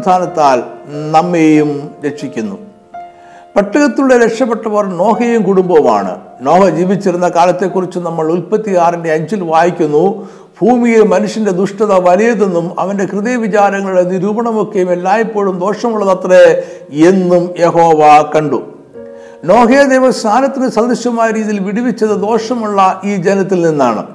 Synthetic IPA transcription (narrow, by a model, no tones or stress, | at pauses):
t̪ʰaːnɐt̪ːaːlnɐmːejumɾe̞kʂikʲːunːṵ | pɐʈːɐɣɐt̪ːiluɽeɾekʂɐpːeʈːɐʋɐrno̞ːɦejumkuɽumbɐma̰ːɳɨ̰ | no̞ːhɐd͡ʑiːʋit͡ɕːiɾunːɐkaːlɐt̪ːe̞kːurit͡ɕːunɐmːɐɭulpɐt̪ːijaːrindeɐɲd͡ʑilʋaːjikʲːunːu | b̥ʱuːmijemɐnuʂjɐnde̞d̪uʂʈɐðɐʋɐlijɐðe̞nːumɐ̰ʋɐnde̞krɨðeʋit͡ɕaːɾɐŋːɐɭiɽenːiɾuːbɐɳɐmokːejume̞lːaːjipːo̞ːɭumd̪o̞ːʂɐmuɭːɐðɐt̪re | enːumje̞ɦo̞ːʋɐkɐɳɖu | no̞ːɦejɐd̪ejʋɐsnʰaːnɐt̪ːinɨsɐnd̪ɐɕjɐmaːjɐɾiːðijilʋiɽiʋit͡ɕːɐðɨd̪o̞ːʂɐmuɭːɐʔiːd͡ʑenɐt̪ːilninːaːɳɨ̰